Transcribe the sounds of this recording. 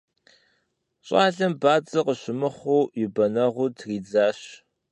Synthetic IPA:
ɕʼɑːɮɐmbaːt͡sʼɐqəɕɪmɨχʷuːjɪbɐnɐʁʷʊtʰriːd͡zaːɕ

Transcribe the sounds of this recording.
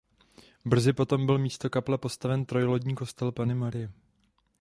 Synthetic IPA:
br̩zɪpo̞t̪o̞mbɪlmiːst̪o̞kaplɛpo̞st̪avɛnt̪ɾo̞jlo̞ɟɲiːko̞st̪ɛlpanɪmaɾɪjɛ

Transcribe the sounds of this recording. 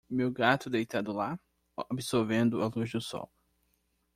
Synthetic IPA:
mewɡat̪ʊd̪ejt̪ad̪ʊla | obɪsoɾvẽnd̪ʊaluzd̪ʊsɔ̰w

